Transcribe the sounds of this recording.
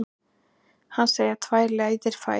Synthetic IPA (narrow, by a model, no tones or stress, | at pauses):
hanseːjɾat̪ʰvaːjɾlɛaiðɪɾ̥fa̰